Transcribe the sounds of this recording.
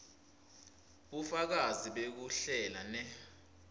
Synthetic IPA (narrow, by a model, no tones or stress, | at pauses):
ɓufak̬aziɓek̬uɬɛlanɛ